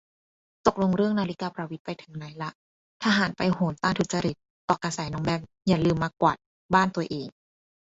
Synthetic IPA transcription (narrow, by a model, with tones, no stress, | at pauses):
t̪o˨˩k̚lo˧ŋɾɯ˥˩əŋnaː˧li˦˥kaː˧pɾaː˧wi˦˥t̪̚pa˧jt̪ʰɯ˩˦ŋna˨˦jla˦˥ʔ | t̪ʰaː˧ɦaː˩˦npa˧jhoː˨˦nt̪aː˥˩ŋt̪ʰu˨˦t̪̚t͡ɕa˧ɾi˨˩t̪̚ːɔː˨˩ka˧saː˨˦jnɔː˦ŋbɛː˧˩p̚ | jaː˨˩lɯː˧mːaː˧kwa̰˨˩t̪̚ | baː˥˩nt̪u˧ɐʔeː˨˩ŋ